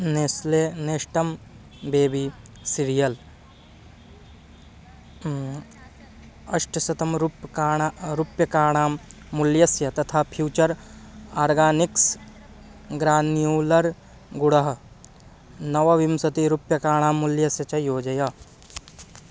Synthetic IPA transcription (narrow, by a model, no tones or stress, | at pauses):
neːsleneːʃʈɐm | beːbi | siɾijɐl | ɐʃʈɐsɐt̪ɐmɾupaːaɾupjɐkaːɳ̃aːmː | uljɐsjɐt̪ɐt̪ʰaːpʰjuːt͡ʃɐɾaːɾɡaːnɪks | ɡɾaːnijuːlɐɾ | ɡʊɽɐɦ | nɐʋɐʋimsɐt̪iɾupjɐkaːɽ̃aːmːuljɐsjɐt͡ʃɐjoːd͡ʒɐja